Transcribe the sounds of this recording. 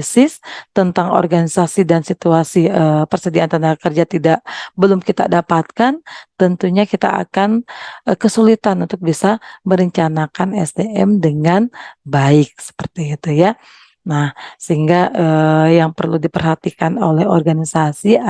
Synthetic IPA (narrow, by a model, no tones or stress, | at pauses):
sɪst̪ənt̪aŋo̰rɡanisasidansit̪uasiəpərsədiant̪anakərd͡ʒat̪idaʔbəlʊmkit̪a̰dapat̪̚kant̪ənt̪uɲakit̪a̰a̰kanəkəsulit̪anunt̪ʊk̚bisaməɾəɲt͡ʃanakanɛsdeʔɛmdəŋanbaɪk̚sə̥pərt̪iit̪uja | nahsəɦiŋɡaəjaŋpərludipərɦat̪ikanolɛho̰rɡanisasi